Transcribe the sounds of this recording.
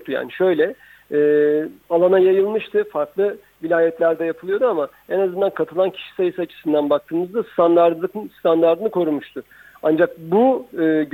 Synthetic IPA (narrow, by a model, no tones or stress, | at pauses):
t̪ʰuja̰ːniʃø̞jlʲɛ | ɛːalˠanajajɯlˠmɯʃt̪ʰɯfaɾklˠɯ | vilʲaːjɛt̪lʲæɾd̪ɛjapʰɯlˠɯjo̞d̪uama | enazɯnd̪ankʰat̪ʰɯlˠancʰi̥ʃi̥sajɯsat͡ʃʰɯ̥sɯnd̪anbak̚t̪ʰɯːmɯzd̪ast̪ʰand̪aɾd̪ɯkst̪ʰand̪aɾd̪ɯnɯkʰo̞ɾumuʃt̪ʰʊ | and͡ʒak̚buːɟ